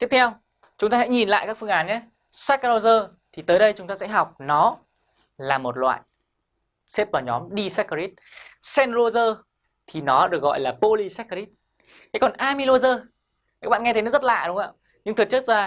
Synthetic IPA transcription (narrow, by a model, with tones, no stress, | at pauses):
t̪i˦˥p̚t̪ʰɛ˧w | t͡ɕʊ˨˦ŋ͡mt̪aː˧sɛ̰˧˥ɲi˨˩nla̰ː˧˨jkaː˦˥k̚fɨ˧əŋʔaː˨˦nɲaː˨˦ | saː˦˥kːa˧o˧zəː˧ | t̪ʰi˨˩t̪əː˨˦jɗə˧jt͡ɕʊ˨˦ŋ͡mt̪aː˧sɛ̰˧˥ɦa˨˩wk͡p̚nɔ˨˦ | laː˨˩mo˨˩t̚lwa̰ː˧˨j | se˦˥p̚vaː˨˩wɲɔ˨˦mɗi˧sa˦˥ki˦˥t̚sɛ˧nzo˧zəː˧ | t̪ʰi˨˩nɔ˨˦ɗɨ˨˩ək̚ɣɔ̰˧˨jlaː˨˩po˧li˧sa˦˥kːɾi˦˥t̚ | ha̰˧˨˥kɔ˨˩nʔaː˧mi˧lo˧zəː˧˨˦ | k̚ɓaː˧˨ŋɛ˧t̪ə˨˦nɔ˨˦zt̚la̰ː˧˨ɗʊ˨˦ŋ͡mŋa̰ː˧ | ɲɨ˧ŋt̪ʰɨ˨˩t͡ɕɨ˦˥k̚zaː˧